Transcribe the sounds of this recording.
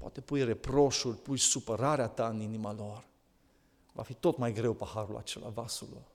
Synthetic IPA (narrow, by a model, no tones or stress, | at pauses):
poa̰t̪e̞pujrepɾo̞ʃurʲpujsupəɾaɾeat̪aɨninimalo̞r | va̰fit̪o̞t̪majɡɾe̞wpəhaɾula̰t͡ʃe̞la̰vasulo